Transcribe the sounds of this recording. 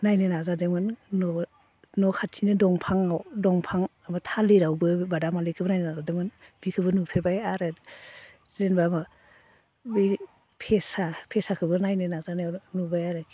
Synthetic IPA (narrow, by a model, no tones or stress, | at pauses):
najnɯnazadɯmɯnnɔ | nɔkʰatʰinɯdɔŋpʰaŋawdɔŋpʰaŋamatʰaliɾawbɯbadamalikʰɯbɯnajnɯnazadɯmɯnb̥ikʰɯbɯnupʰebajaɾɯ | zenbama | bɯ | pʰesapʰesakʰɯbɯnajnɯnazananubajaɾɯki